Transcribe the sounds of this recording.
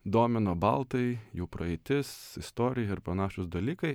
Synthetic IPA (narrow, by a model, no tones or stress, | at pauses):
d̪oːmʲɪnoːbɐlˠt̪ɐɪjuːpɾɐɛɪt̪ʲɪsɪst̪oːɾʲɪjɛɪɾpɾɐnɑːʃʲʊsd̪ɐlʲiːkɐɪ